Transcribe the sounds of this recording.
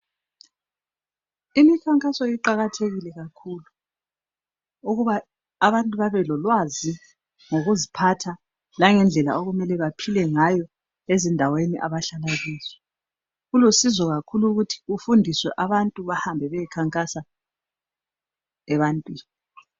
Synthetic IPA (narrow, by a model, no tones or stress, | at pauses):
imikʰaŋkʼasɔiǃaɣatʰeɣilɛɣakʰulu | uɣuβaː | βantʼuβaβɛlɔlwazi | ŋoɣuzipʰatʰa | laŋɛnd͡ɮʱɛla̰oɣumɛlɛβapʰilɛŋajɔ | ezindʱaweniʔa̰βaɬalaɣiːzwɛ | ɣulusizɔɣakʰuluɣutʰi̥ufundʱiswɛ̰ʔaβantʼuβahambʱɛβɛjikʰaŋkʼasa | ɛβantʼwiːni